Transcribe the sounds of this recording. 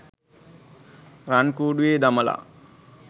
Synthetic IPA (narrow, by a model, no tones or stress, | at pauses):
ɾankuːɖujeːd̪aməla̰